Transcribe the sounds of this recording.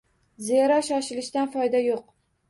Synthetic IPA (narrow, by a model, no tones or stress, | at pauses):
ziɾɒʃɒʃɪlɪʃt̪anfɒjd̪ajoq̚